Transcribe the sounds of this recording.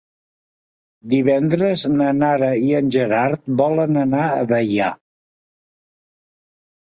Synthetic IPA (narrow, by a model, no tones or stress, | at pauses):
d̪iβ̞ɛnd̪ɾəznənaɾəiənʲʒəɾaɾt̪̚bɔlənənaə̰βəja